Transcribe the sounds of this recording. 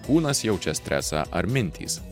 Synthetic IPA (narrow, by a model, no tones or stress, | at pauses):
kuːnɐsjɛʊt͡ʃʲɛsʲt̪ʲɾʲæ̰sɑ̰ʔɐɾmʲɪnʲt̪ʲḭːs